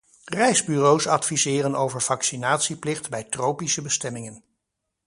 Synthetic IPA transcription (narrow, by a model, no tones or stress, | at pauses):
rɛjzbyrowsɑtfizɪːrənowvəɹv̥ɑksinaːtsiplɪχtbɛjtrowpisəbəstɛmɪŋən